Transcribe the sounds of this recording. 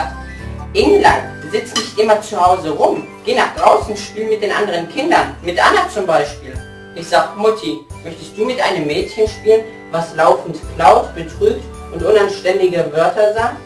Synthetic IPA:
ʔɪnlantzɪt͡snɪçtʔɪmɐt͡suhaʊzəʁʊmɡ̥eːnaːχd̥ʁaʊsn̩ʃpyːlnmɪt̚d̥eːnʔa̰ndəʁ̞ənkʰɪndɐnmɪtʔanat͡sʊmbaɪʃpiːl | ʔɪçz̥aːkmʊtʰimœçtəstd̥uːmɪtʔaɪnəmːɛːtçənʃpiːlən | vaslaʊfn̩tklaʊtb̥ətʁ̥yːk̚t | ʊntʔʊnanʃtɛndɪɡəvœɐtɐzaː

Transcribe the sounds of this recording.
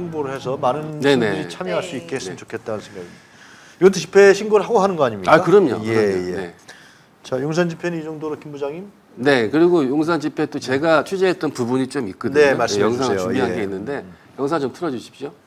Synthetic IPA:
ŋɡoɾɯɭhes̬ʰʌmanɯnne̞ne̞it͡ɕʰamjʌɦaɭs͈uit̚k͈esnet͡ɕokʰe̞t̚t͈anɯnsʰeŋɡaɡid | iɡʌtʰet͡ɕi̥pʰe̞ɕʰiŋɡoɾɯɭɦaɡoɦanɯnɡʌaɲimɲiaakɯɾʌmɲo̰kɯeɾʌoene̞̰ | t͡ɕajoŋs̬ʰand͡ʑipʰenɯnid͡ʑʌŋdoɾɯkimbud͡ʑaŋim | ne̞kɯɾiɡojoŋs̬ʰant͡ɕipʰe̞t͈ot͡ɕe̞ɡat͡ɕʰud͡ʑeɦet͈̚ʌnpubuɲit͡ɕ͈omit̚k͈ɯdɯomaɭsejʌŋs̬ʰaŋɯt͡ɕubiɦanɡe̞inːɯnde̞jʌŋs̬ʰaŋt͡ɕomtʰɯɾʌd͡ʑuɕʰi̥p̚ɕ͈o

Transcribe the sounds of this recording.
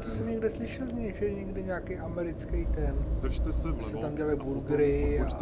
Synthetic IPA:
t̪ɪsɛmɲɛɡdɛslɪʃɛlɲɛʒɛɲɛɡdɪɲaːkejʔamɛɾɪt͡skejt̪ɛn | ɪsɛt̪amɟɛlajbuɾɡɾɪa

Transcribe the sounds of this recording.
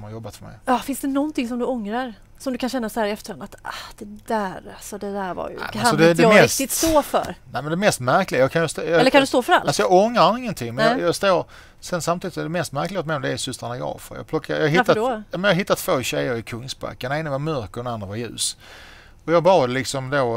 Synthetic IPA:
ssɔmhaɾjɔbːat̪fœɾmɛ̰jɑfɪnsd̪ɛnɔnt̪ɪŋs̬ɔmd̪ɵɔŋɾaɾ | sɔmd̪ɵkʰanɕɛnːashæːɾɛft̪əɾhand̪at̪ad̪̥ɛd̪æɾasɔd̪ɛd̪æɾva̰j̰̪æ̰asɔd̪ɛd̪ɛɛɪskt̪ɪt̪st̪oːfœ̰ɾnæɪmɛnd̪ɛmɛst̪mæɾklɪɡajɑːkʰanjst̪ːjɑɛlːəkʰand̪ɵst̪oːfœɾa̰lalsɔjɑːɡɔŋɾaɾɪŋːənt̪ʰɪŋːmɛnjɑjɑst̪oːɾ | sɛnsamt̪ʰiːd̪ɪ̥sd̪ɛmɛst̪mæɾklɪɡat̪mɛɪɔmd̪ɛɛsʏst̪ɾanaɡɑ̰ːfə̰ɾjɑ̰ːɡplɔkːajɑːɦɪt̪ːajɑːmɛnjɑɦɪt̪ːat̪ʰvoːɕɛjːəɾɪkʰɵŋsba̰kːaneːnavamœɾkəɾɛnand̪ɾavajʉ̟̰ːs | ɔjɑːɡbɑːd̪lɪksɔmd̪oː

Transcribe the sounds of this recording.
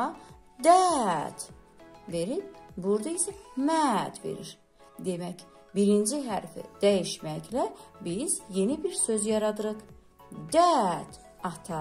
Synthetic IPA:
d̪æt̪ | ve̞ɾinbuɾd̪ɑisæmæd̪vḛɾḭɾ | d̪emæc | biɾind͡ʒiɦæɾfḭd̪̥æjiʃmæclæbizje̞nibiɾsøzjɑɾɑd̪ɯɾɯχ | d̪æt̪ | ɑt̪ʰɑ

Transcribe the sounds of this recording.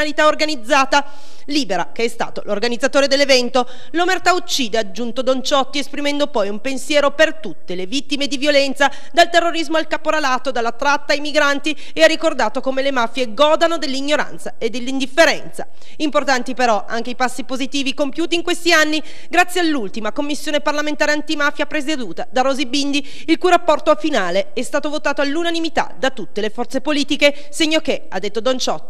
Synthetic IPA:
alit̪aorɡanid̪zːaːt̪a | liːbeɾa̰keɛst̪a̰ːt̪olorɡanid̪zːat̪oːɾed̪elːevɛnt̪o | lomert̪aut͡ʃːiːd̪ead͡ʒːunt̪od̪ont͡ʃɔt̪ːiespɾimɛnd̪opɔjumpensjɛːɾopert̪ut̪ːelevit̪ːimed̪ivjolɛnt̪sa | d̪alt̪erːoɾizmoalkapoɾalaːt̪od̪alːat̪ːɾat̪ːaːjmiɡɾant̪i | earːikord̪aːt̪okomelemafjeɡɔːd̪anod̪elːiɲːoɾa̰nt̪saed̪ːelːind̪ifːeɾɛnt̪sa̰ | import̪ant̪ipeɾɔaŋk̟eijpasːipozit̪iːvikompjuːt̪iːŋkwest̪ianːi | ɡɾat̪sːjealːult̪imakomːisːjoːneparlament̪aːɾeant̪imaːfjapɾesed̪uːt̪ad̪aɾoːzibind̪i | ilkujɾapːɔrt̪ofinaːle | ɛst̪aːt̪ovot̪aːt̪oalːunanimit̪a̰d̪at̪ut̪ːelefɔrt̪sepoliːt̪ike | seɲːokead̪ːet̪ːod̪ont͡ʃɔt̪ː

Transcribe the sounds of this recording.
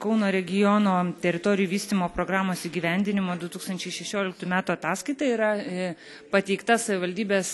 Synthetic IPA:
kɐʊnoːɾʲɛɡʲɪjoːnoːt̪ʲɛɾʲɪt̪oːɾʲɪjuːʋʲiːsʲt̪ʲɪmoːpɾoːɡɾɑːmoːsiːɡʲiːʋʲɛnʲd̪ʲɪnʲɪmoːd̪ʊt̪uːkst̪ɐnʲt͡ʃʲɛɪʃʲɛʃʲoːlʲɪk̚t̪ʊmʲæːt̪uːɐt̪ɑːskɐɪt̪ɐiɾɐ | pɐt̪ʲɛɪkt̪ɐsɐʋʲɪʋɐlʲd̪ʲiːbʲeːs

